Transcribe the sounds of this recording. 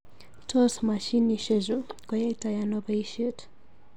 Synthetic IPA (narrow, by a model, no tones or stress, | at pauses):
tʰɔsmaʃiniʃezukɔjatajanɔbaiʃet